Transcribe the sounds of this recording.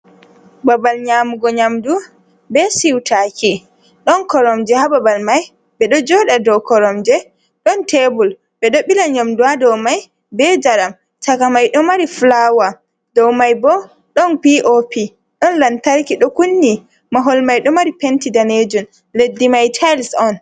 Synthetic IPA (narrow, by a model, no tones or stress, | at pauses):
babalɲaːmuɡɔɲamdu | bɛsiwtʰakʰi | ɗɔnkɔɾɔmd͡ʒɛhababalmaj | bɛɗɔd͡ʒɔɗadɔwkɔɾɔmd͡ʒɛ | ɗɔntebul | bɛɗɔɓilaɲamduadɔwmaj | bɛd͡ʒaɾam | takamajɗɔmaɾiflawa | dɔwmajbɔ | ɗɔnpiʔopi | ɗɔnlantaɾkiɗɔkunːi | maɦɔlmajɗɔmaɾipentidaned͡ʒun | ledːimajtʰajlsɔn